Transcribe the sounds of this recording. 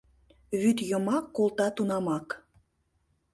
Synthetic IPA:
βyt̪jə̆mɑkːolˠt̪ɑt̪unɑmɑk

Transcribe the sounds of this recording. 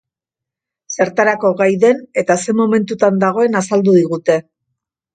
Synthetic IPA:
se̞ɾt̪aɾako̞ɣajðe̞ne̞t̪ase̞mo̞me̞nt̪ut̪and̪aɣ̞o̞e̞nasald̪uðiɣut̪e̞

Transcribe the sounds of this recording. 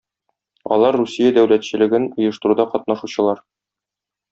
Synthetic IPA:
ɒ̰lˠɑɾːusʲijad̪æwlæt̪ɕɘ̆lɘ̆ɡɘnujɤ̆ʃt̪ɤ̆ɾud̪ɑqɒt̪̚nɑʃuɕɤ̆lˠɑɾ

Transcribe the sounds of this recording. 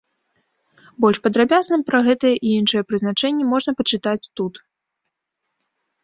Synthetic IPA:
bɔlʲʂpɐd̪ɾabʲaznɨmpɾɐɣɛt̪ɐjɛʔiinʂɨjɛpɾɨznat͡ʂɛnʲːɛmɔʐnɐpɐt͡ʂɨt̪at͡sʲt̪ut̪

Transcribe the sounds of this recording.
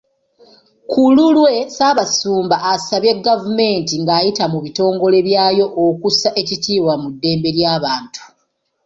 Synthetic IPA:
kululwe̞saːβasuːmbaʔːsaβje̞ɡːavume̞ːntiŋɡaːjitamuβito̞ːŋɡo̞le̞βjaːjo̞ʔːkusaʔe̞citʰiːwamudːe̞ːmbe̞ɾjaːβaːntu̥

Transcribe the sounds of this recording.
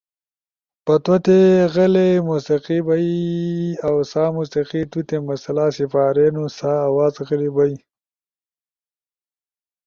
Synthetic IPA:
pɐt̪wot̪eɣɐlemusiqibai | awsaːmusiqit̪ut̪emɐsɐlasifaːɾeːnusaːwaːzɣəlibɐi

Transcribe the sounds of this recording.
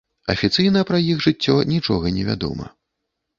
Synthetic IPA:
ɐfʲit̪sɨjnɐpɾɐjiɣʐɨt͡sʲːɔnʲit͡ʂɔɣɐnʲɛvʲa̰d̪ɔ̰mɐ̰

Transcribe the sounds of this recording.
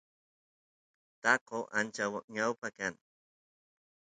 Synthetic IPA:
t̪ɑqoʔant͡ʃawaɲawpakaŋ

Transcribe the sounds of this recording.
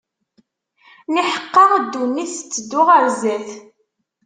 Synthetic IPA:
niħə̥qːɑʁd̪ːunːiθə̥t͡sːəd̪ːʊʁəɾzæθ

